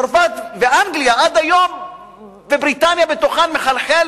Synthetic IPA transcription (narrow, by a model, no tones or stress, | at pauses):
ɾvat̪veʔaŋɡlijaʔad̪ajo̞m | bebɾit̪anjabet̪oχanmeχalħel